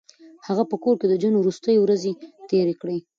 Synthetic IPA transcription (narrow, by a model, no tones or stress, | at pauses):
haɣapəkoɾked̪əd͡ʒənowɾust̪əjewɾazet̪eɾekɽe